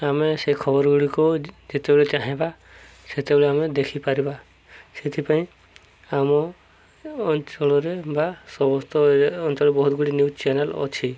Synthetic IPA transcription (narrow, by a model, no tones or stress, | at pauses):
ameseɦikʰɔbɔɾɔɡuɽikud͡ʒet̪ebeɭet͡ʃaɦẽba | set̪ebeɭeamed̪ekʰipaɾiba | set̪ʰipaĩ | amɔː | nt͡ʃɔɭɔɾebasɔbɔst̪ɔɔnt͡ʃɔɭɔbɔɦut̪ɡuɽinjut͡ʃenelɔ̰t͡ʃʰi